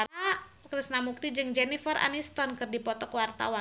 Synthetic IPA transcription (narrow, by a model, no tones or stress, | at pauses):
aɾakɾisnamuk̚t̪id͡ʒɨŋd͡ʒɛnifərʔa̰nist̪ɔnkɨrdipɔt̪ɔkwart̪a̰wa